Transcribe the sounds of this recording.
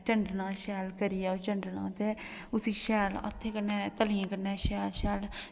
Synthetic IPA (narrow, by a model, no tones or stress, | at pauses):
t͡ʃəɳɖnãːʃɛːlkəɾijɛːot͡ʃəɳɖnã̰ːt̪eːʊsiːʃɛːlə̰t̪ʰːeːkənɛːt̪əlɪãːkənɛːʃɛːlʃɛːl